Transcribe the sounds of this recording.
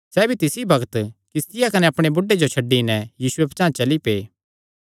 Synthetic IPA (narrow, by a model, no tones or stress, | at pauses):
sɛːbʱit̪ɪsibɐɡt̪kɪst̪ɪjakɐneɐpɽ̃ebʊɖːed͡ʒot͡ʃʰɐɖːinɛjiːsʊept͡ʃãːt͡ʃɐlipeː